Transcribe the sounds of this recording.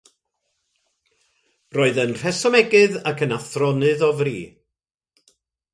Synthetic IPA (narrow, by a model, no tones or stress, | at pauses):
roːɨðənr̥ɛsɔmɛɡɨðakʰənaθrɔnɨðɔvrḭː